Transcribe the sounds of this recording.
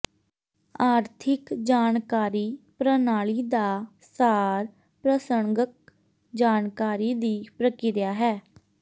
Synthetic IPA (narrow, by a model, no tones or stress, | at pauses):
aːɾt̪ʰɪkd͡ʒaːnkaːɾiːpɾənaːɭiːd̪aː | saːɾ | pɾəsəŋɡək̚ | d͡ʒaːnkaːɾiːd̪iːpɾəkɪɾjaːɦɛː